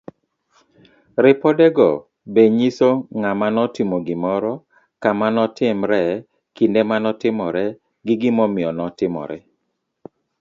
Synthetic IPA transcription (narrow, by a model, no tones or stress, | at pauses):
ɾɪpɔdɛɡɔ̰ | beɲisoŋamanɔtɪmoɡɪmɔɾɔ | kamanɔtɪmɾɛ | kindemanɔtɪmɔɾɛ | ɡɪɡɪmɔmɪɔnɔtɪmɔ̰ɾɛ